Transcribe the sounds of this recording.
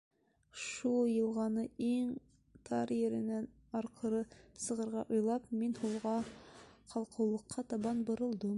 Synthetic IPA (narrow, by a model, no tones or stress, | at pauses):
ʃulˠjɤ̆lˠʁɑnɤiŋ | t̪ʰɑɾjɘ̆ɾɘ̆næn | ɑɾqʰɤ̆ɾɤsɤ̆ʁɤ̆ɾʁɑʔujlˠɑpminhulˠʁɑ | qʰɑlˠqʰɤ̆wlˠɤ̆qʰːɑt̪ɑβɑnbŏɾɤ̆lˠd̪ɤm